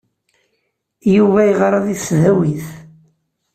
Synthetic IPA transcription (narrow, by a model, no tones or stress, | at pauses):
juvæjʁɾˤɑðisðæwiθ